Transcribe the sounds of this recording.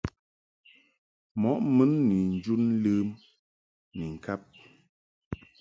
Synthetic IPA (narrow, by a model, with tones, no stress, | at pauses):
mɔ˨˦ʔmɨ˦nːi˨n̩˦d͡ʒu˦n˦lɨ˦m | ni˨ŋ̩˨ka˦p̚